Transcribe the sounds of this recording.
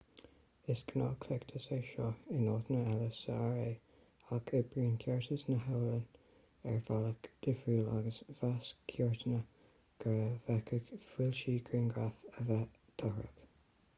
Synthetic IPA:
ɪskənɑːkʰlɛkt̪ʰəseːʃɔɪnɑːt̪ənəɛləsə̰aɹeː | akʰɪbɹiːnkʰɛɹtʰəsnəɦəwlən | ɛɹvaləkd̪̥ɪfuːlaɡəsvaskʰjɔɹt̪ənə | ɡ̥əɹəvɛkʰəɡfwɪlʃiːɡɹɪnɡɹafəvɛ | d̪̥ɔɹə̰k

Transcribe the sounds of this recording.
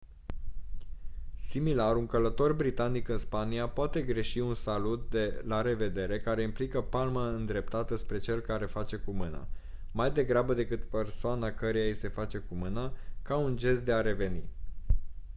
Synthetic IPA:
similaɾuŋkələt̪o̞rbɾit̪anikɨnspaniapoat̪e̞ɡɾe̞ʃiunsalut̪̚d̪elaɾe̞ve̞d̪e̞ɾe̞kaɾe̞implikəpalməɨnd̪ɾe̞p̚t̪at̪əspɾe̞t͡ʃe̞lkaɾe̞fat͡ʃe̞kumɨna̰ | majd̪e̞ɡɾabəd̪e̞kɨt̪pe̞rsoanakəɾejajse̞fat͡ʃe̞kumɨnakaund͡ʒe̞st̪̚d̪e̞aɾe̞ve̞ni

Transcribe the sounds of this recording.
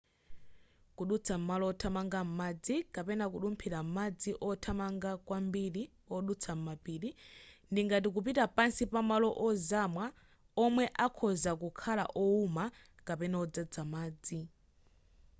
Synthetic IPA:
kuɗut͡sʰam̩malɔɔtʰamaŋɡam̩mad͡zikapɛnakuɗumpʰiɾam̩mad͡ziʔɔtʰamaŋɡakwambiɾi | ɔɗut͡sʰam̩mapiːɾindiŋɡat̬ik̬up̬itapansipamalɔʔɔzamwa | ɔmwɛʔakʰɔzakukʰala̰ʔɔuma | kapɛnɛɔd͡zad͡zamaːd͡zi

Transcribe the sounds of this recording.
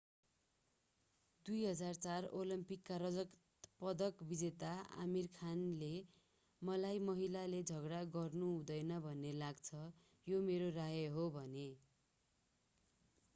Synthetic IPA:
d̪ujɦʌd͡zart͡sarolimpikːarʌd͡zʌk | pʌd̪ʌkbid͡zet̪aa̰mirkʰanle | mʌlajmʌɦilaled͡zʱʌɡɽaɡʌrnuɦũd̪ʌjnʌbʱʌnːelaɡt͡sʰʌ | jomeɾoraɦjʌɦobʱʌne

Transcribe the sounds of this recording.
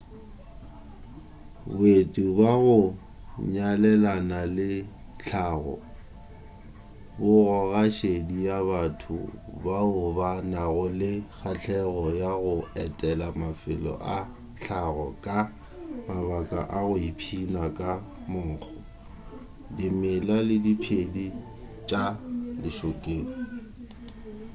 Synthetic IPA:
betʼubaɣʊ | ɲalɛlanalɪɬʰaɣɔ̰ | bʊɣɔɣaʃedijaβatʰʊ̰baʊbanaɣʊlɪk͡xʰaɬʰɛɣɔjaɣʊɛtʼɛlamafɪlɔ̰ʔa | ɬʰaɣɔkʼa | mabakʼa̰ʔaɣʊipʰinakʼa | mʊŋ̩k͡xʰɔ | dɪmɪlalɪdipʰedi | t͡ʃʼadɪʃokʼeːŋi

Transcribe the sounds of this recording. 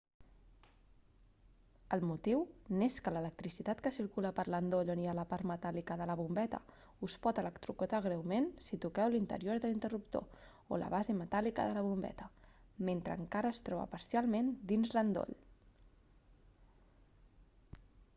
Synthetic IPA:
əlˠmut̪iwneskələlək̚t̪ɾisit̪at̪kəsiɾkuləpəɾlənd̪oʎonialəpaɾmət̪alikəðələβumbɛt̪ə̰ | uspɔt̪ələkt̪ɾukut̪aɣ̞ɾɛwmensit̪ukɛwlint̪ə̰ɾioɾðəlint̪ərup̚t̪o̰ | o̰lə̰β̞azemət̪alikə̰ðələβumbɛ̰t̪əment̪ɾə̰ŋkaɾəːst̪ɾɔβə̰pəɾsjalˠmend̪inzlənd̪o̰ʎ

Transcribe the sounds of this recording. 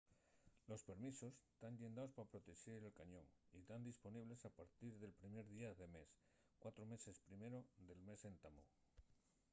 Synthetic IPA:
lo̞spe̞ɾmiso̞st̪anʎend̪aospapɾo̞t̪e̞ʃeɾelkaɲõ̞ŋit̪and̪ispo̞niβ̞le̞sapaɾt̪iɾðe̞lpɾime̞ɾðiaðe̞me̞s | kwat̪ɾome̞se̞spɾimeɾo̞d̪e̞lme̞se̞nt̪amo

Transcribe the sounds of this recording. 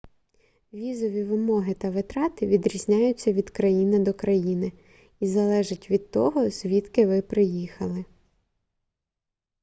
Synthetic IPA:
ʋʲizɔʋʲiʋɪmɔɦɪt̪ɐʋɪt̪ɾɑt̪ɪʋʲid̪ɾʲizʲnʲajʊt͡sʲːɐʋʲid̪kɾɐjinɪd̪ɔkɾɐjinɪ | izɐlˠɛʒɪtʲʋʲid̪̚t̪ɔɦɔz̥ʲʋʲit̪kɪʋɪpɾɪjixɐlˠɪ

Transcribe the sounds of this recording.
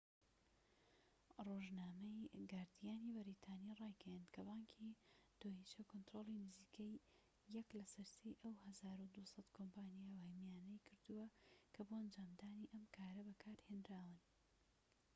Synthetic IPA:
roːʒnaːmɐjɡaːɾd̪ijaːnibɐɾiːt̪ʰaːnirˤɑːjɡɛjand̪kʰɐbɑːŋkʰid̪̥ohit͡ʃɐkont̪ɾolˠinɨziːkʰejː | ɐklɐsɐɾsejʔɐwhɐzaːɾud̪usɑt̪kʰompaːnijawhɐmjaːnɐjkʰɨɾd̪uwɐkʰɐboɐnd͡ʒaːmd̪aːniʔɐmkʰaːɾɐbɐkʰaːɾheːndɾaːwɨn

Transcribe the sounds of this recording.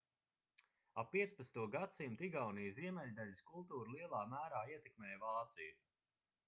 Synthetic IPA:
apːiɛspat̪st̪uɔɡat̪simt̪iɡawnijziɛmɛʎʲd̪aʎʲiskulˠt̪uːɾlˠiɛlˠɑːmæːɾaːiɛt̪ɛkmɛːjvaːt̪siju

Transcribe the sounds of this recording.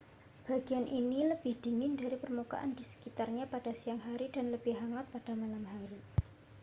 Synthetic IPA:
b̥aɡ̥ianʔiniləb̥ɪhd̥iŋɪndaɾipərmuka̰ʔandisə̥kit̪arɲapad̥asiaŋɦaɾidanləb̥ɪhɦaŋat̪̚pad̥amalamɦaɾi

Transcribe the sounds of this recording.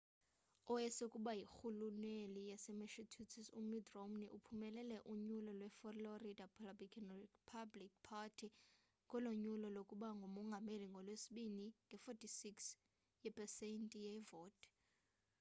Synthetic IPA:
ɔɛsekʼuɓajixulunelijasɛmeʃitʰutʰisumidromniʔupʰumɛlɛlɛʔuɲulɔlwɛfoloridapʰlabikʰʼnpʰablik̚pʰatʰi | ŋkɔloɲulɔlokʼuɓaŋɡʱomɔŋɡʱameliŋɡʱɔlwesiɓiniŋɡʱɛfɔtʰʼisiks | jɛpʰʼɛsɛntʼijɛvɔːtʼ

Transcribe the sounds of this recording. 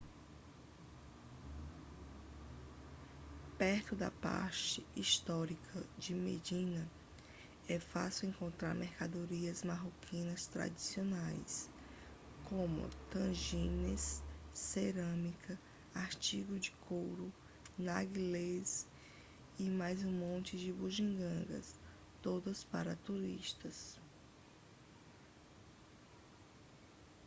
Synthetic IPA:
pɛɾt̪ʊd̪ɐ̰pa̰ɾt͡ʃɪist̪ɔɾikʰɐd͡ʒɪmḛd͡ʒĩnɐ | ɛfa̰siwẽŋkõnt̪ɾa̰ɾmʔeɾkad̪oɾiɐzmaɦokʰĩnɐst̪ɾa̰d͡ʒisionajs | kõmʊ̰t̪ɐ̃ʒĩnesːeɾɐ̃mikʰɐ | aɾt͡ʃiɡʊd͡ʒɪkʰowɾʊ | naɡilez | ɪmajzũmõnt͡ʃɪd͡ʒɪbuʒĩɡɐ̃ɡɐ̰s | t̪od̪ɐspaɾɐt̪uɾḭʃt̪ɐs

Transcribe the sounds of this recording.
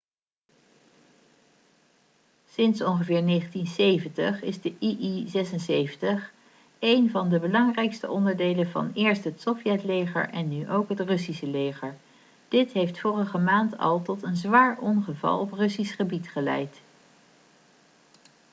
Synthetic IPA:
sɪnsɔnχəvɪːɹneːχəntinsejvəntəχɪzdəʔiʔizɛsənsejvəntəχ | ejnvɑndəbəlɑŋrɛjkstəɔndəɹdejlənvɑ̰nɪːɹstɦətsɔfjɛtlejχə̰ɹʔɛnːyʔowkɦətrɵsisəlejχəɹ | d̥ɪtɦejftfoːrəχəmaːntɑ̰lˠtɔtənzʋaːɹʔɔnχəvɑ̰lˠɔprɵsisχəbitχəlɛ̰jt

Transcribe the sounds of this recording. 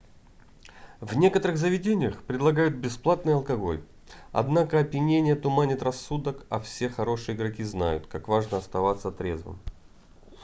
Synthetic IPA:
vnʲe̞kət̪əɾɨɣzəvʲɪdʲenʲɪjəxpɾʲɪd̪lˠɐɡajʊt̪̚bʲɪsplˠat̪nɨjɐlˠkɐɡo̞̰lʲ | ɐ̰d̪nakəɐpʲjɪnʲenʲɪjət̪ʊmanʲɪt̪rɐsːud̪əkɐ̰fsʲe̞xɐɾo̞ʂɨjəɪɡɾɐkʲizna̰jʊ̰t̪kakvaʐnəɐst̪ɐvat̪sːət̪ɾʲḛzvɨ̰m

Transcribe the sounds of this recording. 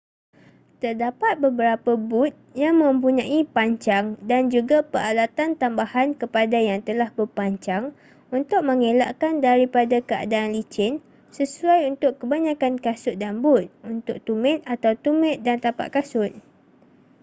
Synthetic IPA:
t̪ərdapat̪̚bəbəɾapəbʊt̪̚jaŋmə̃mp̬uɲãʔipaɲt͡ʃaŋdand͡ʒuɡapəɾalat̪ant̪ambahankəpadajaŋt̪əlahbərpaɲt͡ʃaŋ | unt̪ʊk̚mə̃ŋela̰ʔkandaɾipadakəa̰daːnlit͡ʃɪn | səsuajunt̪ʊkkːəbaɲãkankasʊt̪̚danbʊt̪̚unt̪ʊk̚t̪umɛ̃t̪̚at̪awt̪umɛ̃t̪̚dant̪apa̰ʔkasʊt̪̚

